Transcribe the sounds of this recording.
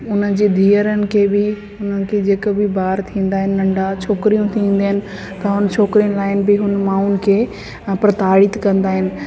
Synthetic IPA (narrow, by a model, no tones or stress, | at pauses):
ʊn̤ənd͡ʑiːd̪ʱiːəɾənɪ̆kʰebɪ | ʊn̤ənɪ̆kʰed͡ʑeːkəbɪbaːɾt̪ʰĩːn̆d̪aːɦɪnɪ̆ːɐ̃ɳɖat͡ɕʰoːkɾijũt̪ʰĩːn̆d̪aɦɪnɪ̆ | t̪ɐɦʊnt͡ɕʰoːkɾijənɪ̆laːɪnɪ̆bɪɦʊnmãːʊnɪ̆kʰeː | pɾɐt̪aːɽɪt̪kɐ̃nd̪aːɦɪnɪ̆